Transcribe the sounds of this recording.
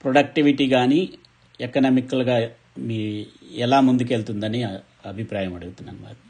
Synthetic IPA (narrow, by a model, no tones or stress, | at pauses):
pɾoɖɐk̚ʈiʋiʈiːɡaːni | ɛkːɐnɐmikːɐlɡaː | miːɛlaːmund̪uke̞ːlt̪und̪ɐni | ɐbʱipɾaːjɐmɐɽuɡut̪unːɐ̰ːnma̰ɾu